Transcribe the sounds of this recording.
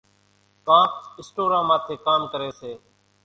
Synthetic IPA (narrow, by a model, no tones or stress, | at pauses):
kãːkɪsʈoːɾãːmãːt̪ʰeːkaːmkəɾeːseː